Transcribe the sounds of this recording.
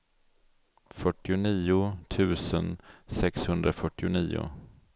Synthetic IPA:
fœʈːɪʊniːʊt̪ʰʉ̟ːsənsɛkshɵnd̪ɾafœʈːɪʊniːʊ̰

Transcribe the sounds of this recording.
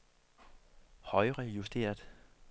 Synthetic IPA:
hɒ̽ɪʁɛjusd̥e̝̰ːɐd̥ˠ

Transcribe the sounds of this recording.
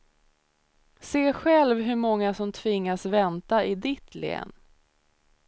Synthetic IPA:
seːɧɛlvɦɵmɔŋːasɔmt̪ʰvɪŋːasvɛnt̪aɪd̪ɪt̪ʰlḛːn

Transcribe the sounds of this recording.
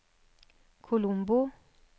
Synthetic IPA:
kʰulumbu

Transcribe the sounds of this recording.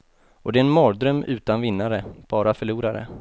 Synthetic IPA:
ɔd̪ɛɛnmɑːd̪ɾœmʉ̟ːt̪anvɪnːaɾəb̥ɑːɾafœɭuːɾaɾə̰

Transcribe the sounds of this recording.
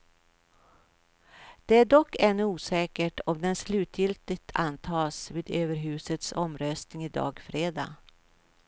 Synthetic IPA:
d̪̥ɛæɖɔkːɛnːɵuːsɛːkəʈɔmd̪ɛnslʉ̟ːt̪jɪlt̪ɪt̪ʰant̪ʰɑːsviːd̪øːvəɾɦʉ̟ːsət̪sɔmɾœst̪nɪŋɪd̪ɑ̰ːɡfɾeːd̪ɑ̰ː

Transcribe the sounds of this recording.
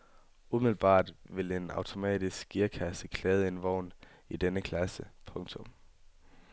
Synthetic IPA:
ʔumiðl̩b̥ɑ̰̈ːd̥ʋe̝le̝nɑ̈ʊt͡sʰo̝mɛ̰ːd̥isɡ̥ɡiɐkʰæsəkʰlɛːð̞̩ˠe̝nʋɒʊ̰n | id̥enəkʰlæsəpʰɔ̽ŋt͡sʰɔ̽m

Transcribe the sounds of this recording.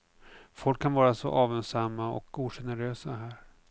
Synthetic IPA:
fɔlkʰːanvɑːɾasɔ̰ʔɑːvɛnsamːaɔ̰kuːʂɛnəɾøːsaɦæːɾ

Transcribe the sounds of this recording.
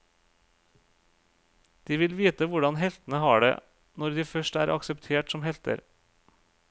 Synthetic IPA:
d̪̥iːʋɪlʋiːt̪əʋʊɖɑnhɛlt̪n̩əhɑːɖḛː | nɔɾd̪iːfœʃʈæ̰ːɾʔɑ̰ksəpt̪ʰeːʈsɔmhɛlt̪ə̰ɾ

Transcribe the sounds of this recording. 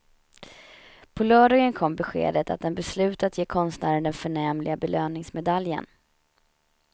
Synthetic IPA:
pʰɔlœːɖɔŋənkʰɔmːbɛɧḛːd̪ət̪a̰t̪̚d̪ɛnbɛslʉ̟ːt̪at̪jeːkʰɔnst̪næːɾənd̪ɛnfœɳɛːmlɪɡabɛløːnɪŋsmɛd̪aljə̰n

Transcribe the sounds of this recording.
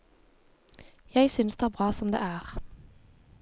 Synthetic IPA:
jæɪsʏnsd̪eːæːbʁɑːsɔmd̪ḛːʔæːʁ

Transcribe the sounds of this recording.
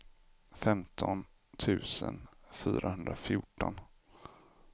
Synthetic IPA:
fɛmt̪ʰɔn | t̪ʰʉ̟ːsənfyːɾʔahɵnd̪ɾafjʊʈːɔn

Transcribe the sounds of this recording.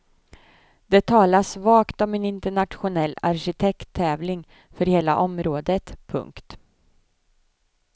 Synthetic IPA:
d̪ɛt̪ʰɑːlasvɑːkt̪ɔmɛnɪnt̪əɳat̪ɧʊnɛlːa̰ɾɕɪt̪ʰɛkt̪ʰːɛːvlɪŋ | fœɾheːla̰ʔɔmɾoːd̪ət̪pʰɵ̰ŋkt̪

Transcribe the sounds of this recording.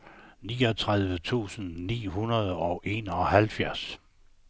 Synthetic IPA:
nḭːɒ̽t͡sʰʁað̞ˠʋət͡sʰṵːsn̩nḭːɦunɐð̞ˠɒ̽ʔe̝nɒ̽hælfjæɐ̰s

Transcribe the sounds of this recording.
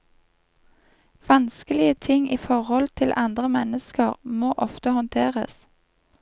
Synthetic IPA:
ʋɑnskəlɪət̪ʰɪŋiːfɔʁhɔlt̪ʰɪlʔɑnd̪ʁəmɛnəskəʁmoːʔɔft̪əhɔnt̪ʰeːʁə̰s

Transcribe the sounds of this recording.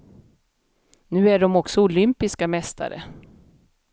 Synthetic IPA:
nʉ̟ːæɖɔmɔksɔʊlʏmpɪskamɛst̪ʰa̰ɾə̰

